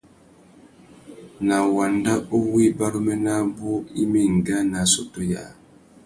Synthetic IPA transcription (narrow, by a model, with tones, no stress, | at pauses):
na˨wa˨nda˦o˦wi˦ba˦ɾu˦mɛ˦na˦bo˦i˦mi˦ŋ̩˨ɡa˦na˨so˨to˦ja̰˨